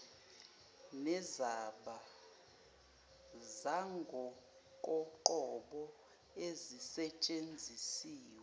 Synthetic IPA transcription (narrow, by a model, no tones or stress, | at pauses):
nɛzaɓa | zaŋɡʱɔ | kʼɔǃɔɓɔ | ezisɛt͡ʃʼend͡zʱisiːwɛ